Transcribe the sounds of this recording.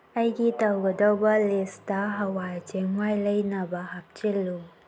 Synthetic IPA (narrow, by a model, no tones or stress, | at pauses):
ɐjɡitɐwɡədɔwbɐlɪstaɦɐwajd͡ʒɛŋwajlɐjnabaɦap̚t͡ʃɪlu